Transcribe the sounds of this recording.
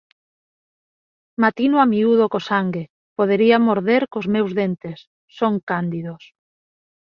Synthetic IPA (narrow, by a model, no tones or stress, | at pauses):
mat̪inoamiuð̞okosaŋɡe | poð̞eɾiamoɾðeɾkozmewzðent̪esː | oŋkand̪iðos